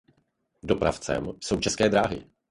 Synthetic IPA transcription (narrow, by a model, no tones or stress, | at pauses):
dopɾa̰ft͡sɛ̰mso̞wt͡ʃɛskɛːdɾaːɦɪ̰